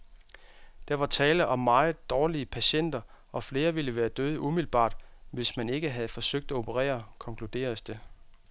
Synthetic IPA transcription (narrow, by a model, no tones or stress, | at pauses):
d̥æʋɑ̈t͡sʰɛːləʔɒ̽mːɑ̈ːð̩ˠd̥ɒːliəpʰæɕen̰d̥ɐ | ɒ̽fle̝ːɐʋiləʋæːɐd̥øð̞ˠəʔumilb̥ɑ̰̈ːd̥ʋe̝smæne̝ɡ̥əɦæð̞̩ˠfɒ̽søɡ̥̚d̥æo̝pʰəʁɛ̰ːɐkʰɒ̽ŋkʰlud̥e̝̰ːɐsd̥e̝